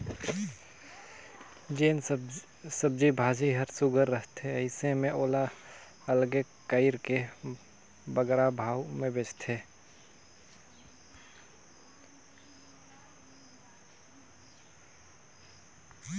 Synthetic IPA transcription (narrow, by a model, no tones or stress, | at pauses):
d͡ʒeːn | səb̚d͡ʒibʱaːd͡ʒiɦəɾsʊɡəɾːəɦt̪ɦeəɪsemẽoːla | əlɡe | kəɪɾke | bəɡɾabʱaːwmẽbeːt͡ʃt̪ʰeː